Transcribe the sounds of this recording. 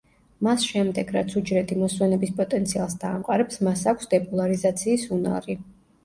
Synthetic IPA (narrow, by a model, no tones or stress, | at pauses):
masʃɛmd̪ɛɡɾat̪sʰud͡ʒɾɛt̪ʰimɔswɛnɛbispʼɔt̪ʼɛnt̪sʰialˠs̬d̪aːmqʼaɾɛpsmasakʷʰsd̪ɛpʼɔlˠaɾizat̪sʰiːsuna̰ɾi